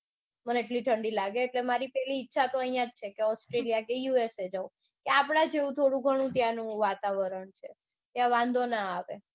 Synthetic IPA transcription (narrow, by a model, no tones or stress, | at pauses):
məneːʈliʈʰəɳɖilaɡeːʈlemaɾipɛɦliːtːʃʰat̪oəijãd͡ʒ̚t͡ʃʰekeɔsʈɾelijakejuesed͡ʒaũ | keapɽ̃ad͡ʒeũt̪ʰoɽũɡʱəɽ̃ũt̪janũʋat̪aʋəɾəɳt͡ʃʰḛ | t̪jãʋãnd̪ʱonaːʋe